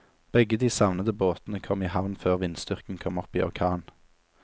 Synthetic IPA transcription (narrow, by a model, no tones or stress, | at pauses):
b̥ɛɡəd̪iːsɑʋnəd̪əboːt̪nəkʰɔmiːhɑʋnføːʁʋɪnst̪ʏʁkn̩kʰɔmɔpiːɔʁkʰɑːn